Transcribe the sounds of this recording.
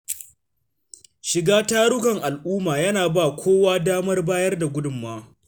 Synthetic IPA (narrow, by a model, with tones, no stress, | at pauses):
ʃɪ˨ɡaː˦taː˦ɽʊ˦kɐ˨ŋʔa˨lʔuː˦maː˨jɐ˦naː˨baː˦˨kʷʰoː˦waː˦daː˦mɐ˦rbaː˦jɐ˦rda˨ɡʷʊ˦dʊ˨mːaː˦